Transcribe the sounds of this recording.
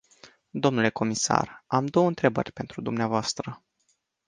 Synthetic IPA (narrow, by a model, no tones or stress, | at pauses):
d̪o̞mnule̞ko̞misa̰ramd̪o̞wəɨnt̪ɾe̞bə̰rʲpe̞nt̪ɾud̪umneavoast̪ɾə